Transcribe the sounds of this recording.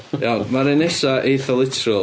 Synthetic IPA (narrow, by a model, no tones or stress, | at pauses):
jamaɾenɛsaʔeθɔlˠɪtʰrɔ